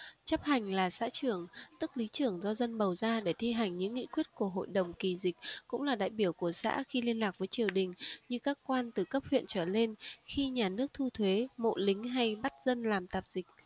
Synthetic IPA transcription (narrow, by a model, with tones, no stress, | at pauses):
t͡ɕə˦˥p̚ha˨˩jŋ̟laː˨˩sa̰ː˧˥t͡ɕɨ˧˩əŋt̪ɨ˦˥k̚li˨˦t͡ɕɨ˧˩əŋzɔ˧zə˧nɓə˨˩wzaː˧ɗe˧˩t̪ʰi˧ɦa˨˩jŋ̟ɲɨ̰˧˥ŋːḭ˧˥kwi˦˥ət̚ku˧˩əɦo̰˧˨jɗə˨˩wŋ͡mki˨˩zi˨˩k̟̚kʊ̰˧˥ŋ͡mlaː˨˩ɗa̰ː˧˨jɓi˧˩əwku˧˩əsa̰ː˧˥xi˧li˧ənlaː˨˩k̚vəː˨˦jt͡ɕi˨˩əwɗï˨˩ŋ̟ɲɨ˧kaː˦˥kkwaː˧nt̪ɨ˨˩kə˦˥p̚hwḭ˧˨ənt͡ɕəː˧˩le˧nxi˧ɲaː˨˩nɨ˦˥ək̚t̪ʰu˧t̪ʰwe˨˦mo̰˧˨lï˨˦ŋ̟ɦa˧jɓa˦˥t̚zə˧nlaː˨˩mt̪aː˨˩p̚z̥ï˨˩k̟̚